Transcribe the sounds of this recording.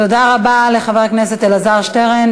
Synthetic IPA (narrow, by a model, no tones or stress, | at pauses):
todaʁabaleχavɛʁknɛsɛtɪlazaʁʃtɛʁɛn